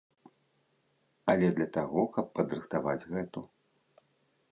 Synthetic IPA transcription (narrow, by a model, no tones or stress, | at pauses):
ɐlʲɛd̪lʲɐt̪aɣɔkɐpːɐd̪ɾɨxt̪avad͡zʲɣɛt̪u